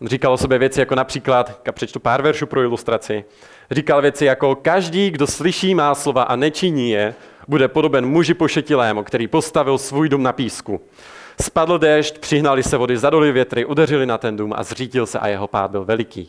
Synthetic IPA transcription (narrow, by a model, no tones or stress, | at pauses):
nriːkalʔosobjɛvjɛt͡sɪjako̞napr̥iːklat̪kapr̝̥ɛt͡ʃt̪upaːɾvɛɾʃuːpɾo̞ɪlust̪ɾat͡sɪ | riːkalvjɛt͡sɪjako̞kaʒdiːɡdoslɪʃiːmaːslo̞vaʔanɛt͡ʃɪɲiːjɛ | budɛpo̞do̞bɛnmuʒɪpoʃɛcɪlɛːmukt̪ɛɾiːpo̞st̪avɪlsvuːjdumnapiːsku | spadl̩dɛʃt̪pr̝̥ɪɦnalɪsɛvo̞dɪzado̞lɪvjɛt̪ɾɪʔodɛrɪlɪnat̪ɛnduːmʔa̰zriːɟɪlsɛ̰ʔa̰jɛɦo̞pa̰ːd̪̚bɪlvɛlɪkḭː